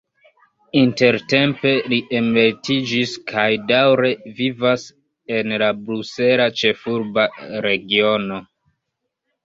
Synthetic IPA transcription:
inte̞ɾte̞mpe̞liʔemletid͡ʒiskʰajdawɾe̞vivas | e̞nlabɾuse̞lat͡ʃe̞fuɾbaɾe̞ɡio̞no̞

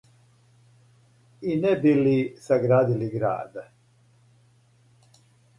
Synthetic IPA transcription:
inɛbilisaɡɾaːd̪iliɡɾa̰ːd̪a

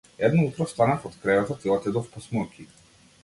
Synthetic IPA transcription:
ɛd̪naut̪ɾɔst̪anafɔt̪kɾɛvat̪at̪sɛlˠat̪ɛd̪ɔfpɔsmɔkʲʰi

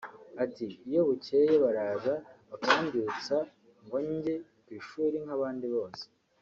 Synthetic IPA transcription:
atiːjo̞βuce̞jeβaɾaːzaβakaβindit͡sa | ŋɡo̞ɲɟekwiːʃuːɾiŋ̥aβaːndiβo̞ːse̥

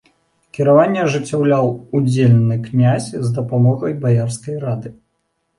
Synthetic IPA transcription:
kʲiɾavanʲːɛʐɨt͡sʲːawlʲawud͡zʲelʲnɨknʲazʲzd̪ɐpamɔɣɐjbajarskɐjɾad̪ɨ

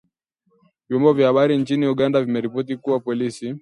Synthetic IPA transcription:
vjɔmbɔvjahaɓaɾint͡ʃiniuɠandavimɛɾipɔtikuwapɔlisi

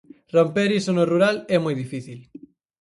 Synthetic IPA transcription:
rompeɾisonoruɾalɛmojðifiθil

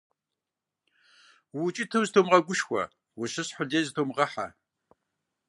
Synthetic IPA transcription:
wʊt͡ʃʼitʰɨwztʰoːmʁɐɡʷʊʃxʷɐ̰ | wʊʃɨsħʊdeːztʰoːmʁɐħa̰

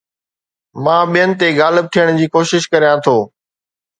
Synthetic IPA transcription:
mãːɓijənɪ̆t̪eɡaːlɪb̚t̪ʰijəɽ̃d͡ʑiːkoːʃɪʃkəɾijãt̪ʰoː

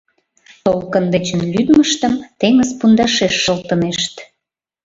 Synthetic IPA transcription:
t̪olkənd̪et͡ɕənlyd̪məʃt̪əmt̪eŋəzpund̪ɑʃeʃːəlt̪əneʃt̪

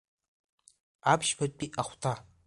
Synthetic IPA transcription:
apʰʃbat̚ʼpʼiʔaχʷtʰa

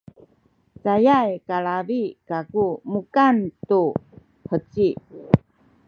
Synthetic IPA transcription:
t͡sajajkaɭaɾikakumukantu | hət͡si

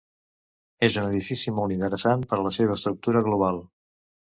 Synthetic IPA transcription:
ezunəðifisimɔlˠt̪int̪əɾəsanpəɾələseβ̞əːst̪ɾuk̚t̪uɾəɣluβ̞alˠ

